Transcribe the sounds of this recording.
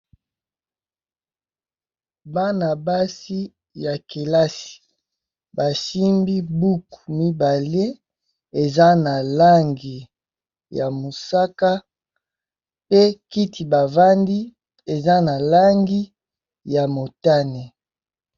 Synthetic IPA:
ba˦na˨ba˦si˦ | ja˨ke˨la˦si̥˨ | ba˨si˦mbi˦bu˦ku˨mi˦ba˨le˦ | e˨za˦na˨la˦ŋɡi˨ | ja˨mo˨sa˦ka˦ | pe˦ki˦tʰi˨ba˨va˦ndi˦ | e˨za˦na˨la˦ŋɡi˦ | ja˨mo˨ta˦ne˨

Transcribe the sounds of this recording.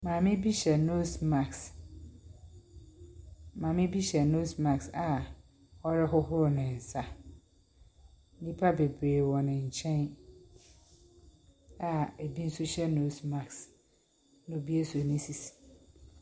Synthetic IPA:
mãː˨mɪ̃˦bi˦ɕɛ˨no˦sma˨ks | mãː˨mɪ̃˦bi˦ɕɛ˨no˦smã˨ksa˨ | ɔ˦ɾɪ˦ɦʊ˦ɦʊ˦ɾʊ˨nɪ̃˨sa˦ | n̩˦nĩ˦pʰa˦be˨bɾeː˨wɔ˨nɪ̃˨ɲ̩˨t͡ɕʰɛ̃˦n | a˨e˨bi˦n̩˦sʊ˦ɕɛ˦no˦sma˨ks | nʊ̃˨bi˦e˦sʊ˨nɪ̃˦si˨s

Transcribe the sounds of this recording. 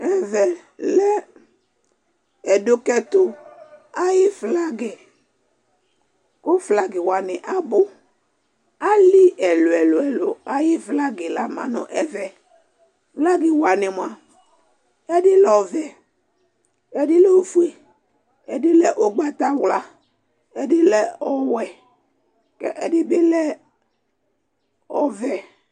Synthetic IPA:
ɛ˦vɛ˨ | lɛ˦ | ɛ˨do˨kɛ˦t̪ʊ˦a˦jɪ˦vla˦ɡe˨ | ko˦fla˨ɡɪ˨wa˨nɪ̃˨ʔa˦bʊ˦ | a˦li˦ʔɛ˨lo˨ɛ˨lʊ˨ɛ˨lo˨a˨jɪ˦vla˦ɡɪ˨la˨mã̰˨nʊ̰̃˨ʔɛ˨vɛ˨ | vla˦ɡɪ˨wa˨nɪ˨mʊ̃˨a˨ | ɛ˦dɪ˦lɔ˨vɛ˨ | ɛ˦dɪ˦lɛ˦˨o˨fu˦e˦ | ɛ˨dɪ˦lɛ˨ʔo˨ɡ͡ba˦t̪a˦wla˨ | ɛ˦dɪ˦lɛ˨ɔ˦wɛ˨ | kɛ̰˦ʔɛ˨dɪ˦bɪ˦lɛ˦ | ɔ˨vɛ˨

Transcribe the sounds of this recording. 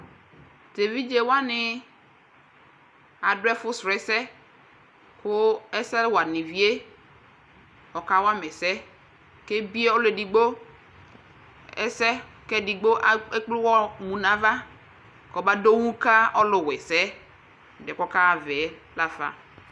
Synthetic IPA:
te˨vi˦d͡ʒe˨wa˦nɪ˨ | a˨dʊ˦ɛ˦fʊ˦sɾɛ˨sɛ˦ | kʊ˦ɛ˦sɛ˦lwa˨nĩ˨vi˦e˦ | ɔ˨ka˦wa˦mɛ˨sɛ˦ | ke˦bi˦e˦ɔ˦le˨di˨ɡ͡bo˦ | ɛ˦sɛ˦ | kɛ˦di˨ɡ͡bo˦ʔɛ˦k͡plʊ˦wɔ˦mũ˨nã˨va˦ | kɔ˨ba˦do˦wũ˦ka˦ɔ˦lʊ˨wɛ˨sɛ˦˨ | dɛ˨kɔ˦ka˦˨vɛ˨˦ | la˦fa̰˨

